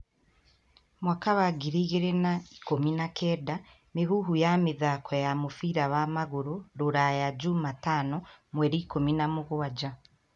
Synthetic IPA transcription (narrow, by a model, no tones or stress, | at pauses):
mwakaβaɡiɾiɣeɾenai̥kominakʰeːda | miɦuɦujamiðakʰojamufiɾaβamaɣuɾuɾuɾajaɟumataːnomweɾiːkominamuɣuwad͡ʒa